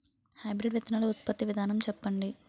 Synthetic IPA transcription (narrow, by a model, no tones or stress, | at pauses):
hɐjbɾiɖʋɐt̪ɐnɐluut̪̚pɐt̪ːiʋid̪ʱaːnɐmt͡ʃɛpːɐɳɖi